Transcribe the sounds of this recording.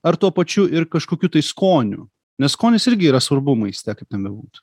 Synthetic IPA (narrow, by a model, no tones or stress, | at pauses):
ɐɾt̪uɔpɐt͡ʃʲʊʔɪrkɐʃkoːkʲuːt̪ɐɪskoːnʲʊ̰ | nʲɛsskoːnʲɪsɪɾʲɡʲɪiːɾɐsʋɐrbʊmɐɪsʲt̪ʲɛkɐɪp̚t̪ʲɛnbʲɛbuːt̪